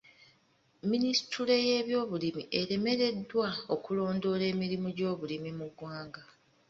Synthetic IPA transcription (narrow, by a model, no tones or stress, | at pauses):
ministule̞je̞ːβjo̞ːβulimiʔe̞ɾe̞me̞ɾe̞dːwao̞kulo̞ːndo̞le̞ːmiɾimuɟo̞ːβulimimuɡwaːŋɡa